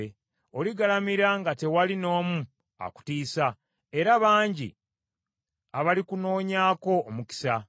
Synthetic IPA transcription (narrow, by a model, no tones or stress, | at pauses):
o̞liɡalamiɾaŋɡate̞walino̞ːmu | a̰ku̥tiːsa | e̞ɾaβaːɲɟḭ | aβalikuno̞ːɲaːko̞ːmuki̥sa